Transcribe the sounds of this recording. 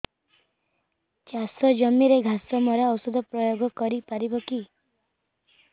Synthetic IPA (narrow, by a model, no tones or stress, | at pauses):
t͡ʃasɔd͡ʒɔmiɾeɡʱasɔmɔɾawsɔd̪ʱɔpɾɔjoɡɔkɔɾipaɾibɔki